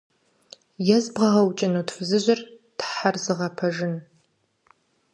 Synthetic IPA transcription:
jɛzbʁɐʁɐwt͡ʃʼɪnuːtʰfɨzɨʑʷɪr | tħarzɨʁɐpʰɐʒɪn

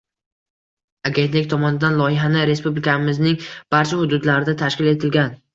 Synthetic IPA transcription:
aɡʲe̞nt̪lɪk̚ʲt̪ʰɒmɒnɪd̪anlˠɒɪɦanɪɾe̞spublɪkʰʲamɪznɪŋb̥aɾt͡ʃʰahʊd̪ʊd̪laɾɪd̪at̪ʰaʃkʲɪle̞t̪ʰɪlɡʲan

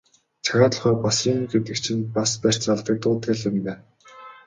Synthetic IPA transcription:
t͡sʰaʁaːt̪ɮ̆χœːpasriːŋɡet̪ɘ̆kt͡ɕʰɪ̆npaspær̥t͡ɕt͡saɮt̪ə̆k̚t̪ʊːt̪ʰeːɮə̆mnæː

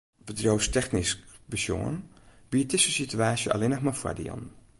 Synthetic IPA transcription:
bədrowstɛxniskbəsjo̰ən | b̥iətɪsəsityaːsjəʔa̰lɪnəxmafwa̰dḭə̰ln

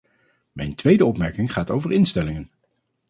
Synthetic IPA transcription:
mɛ̰jntʋejdəɔpmɛɹkɪŋχaːtowvəɹɪnstɛlɪŋən

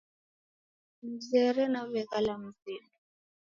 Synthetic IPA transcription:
m̩zɛɾɛnavɛkalam̩zimu

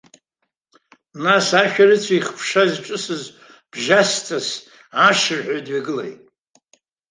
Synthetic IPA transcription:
nasaʃᶣaɾɨt͡sʷʰaiχpʰʂazʈ͡ʂʼɨsɨz | b̥ʒastʰas | aʂɨrħʷadɥaɡɨlḛjtʼ

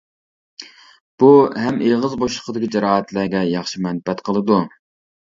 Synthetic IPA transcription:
b̥uɦɛmʔeʁəzboʃlˠə̥qʰəd̪ɪkʲid͡ʒɛɾɑːɛt̪læɾɡʲɛjɑχʃimɛnpːɛt̪qʰəlˠɨd̪u

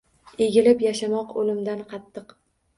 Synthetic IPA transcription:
e̞ɡʲɪlɪpjaʃamɒqolɪmd̪anqʰɑt̪ʰːɨq

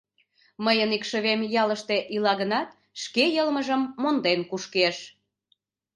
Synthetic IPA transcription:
məjənikʃəβemjɑləʃt̪eʔilɑɣənɑt̪ | ʃkejəlməʒəmːond̪enkuʃkeʃ

